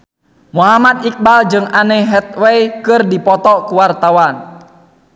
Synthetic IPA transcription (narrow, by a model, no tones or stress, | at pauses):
muɦamad̪ik̚bald͡ʒɨŋanɛɦɛt̪̚wɛikɨrdipɔt̪ɔkuwart̪awan